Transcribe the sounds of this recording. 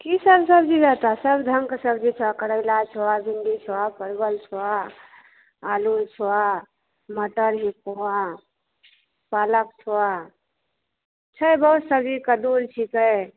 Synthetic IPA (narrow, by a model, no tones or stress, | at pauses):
kisəbsəbd͡ʒid͡ʒat̪asəbʱd̪ʱəŋkesəbd͡ʒit͡ʃʰoakəɽəɪlat͡ʃʰowabʱind̪it͡ʃʰoapəɾbəlt͡ʃʰoa | lult͡ʃʰowa | məʈəɾɦikoa | palək̚t͡ʃʰoa | t͡ʃʰəjbəɦut̪səb̚d͡ʒikəd̪uɾt͡ʃʰikəj